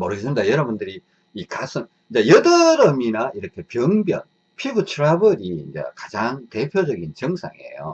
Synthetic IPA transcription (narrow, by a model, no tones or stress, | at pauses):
mʌɾɯɡes͈ʰɯmidajʌɾʌbundɯɾi | ikas͈ʰɯn | ind͡ʑejʌdʌɾʌminaiɾʌkʰe̞pjʌŋbjʌ̰n | pʰibut͡ɕʰɯɾabɯɾiːnd͡ʑḛkad͡ʑaŋte̞pʰjod͡ʑʌɡint͡ɕʌŋsʰa̰ŋieḛjo̰